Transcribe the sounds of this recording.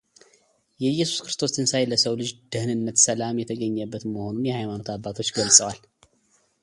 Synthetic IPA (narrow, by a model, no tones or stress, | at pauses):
jɛjːɛsu̥skɾɨst̪ʰo̞sʰɨnsajləsəwlɨd͡ʒd̪ɨhnɨnːət̪səlamjɛt̪ʰəɡəɲːəbːət̪məho̞nunjɛhajmano̞t̪abːat̪ʰo̞t͡ʃːɡəlsʼəwal